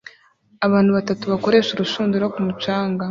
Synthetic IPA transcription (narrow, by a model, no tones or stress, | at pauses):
aβaːnhuβatatuβako̞ɾe̞ːʃuɾuʃuːnduɾokumut͡ʃaːŋɡa